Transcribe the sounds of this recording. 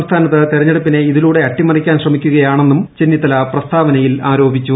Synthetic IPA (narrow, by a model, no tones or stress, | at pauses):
mst̪ʰaːnɐt̪ːɨt̪iɾɐɲːeɽupːine̞iðiluːɽe̞ɐʈːimɐrikʲːaːnɕrɐmikʲːuɣɐjaːɳe̞nːumt͡ɕenːit̪ːɐlɐprɐst̪ʰaːʋɐnɐjilaːɾo̞ːbit͡ɕʲːu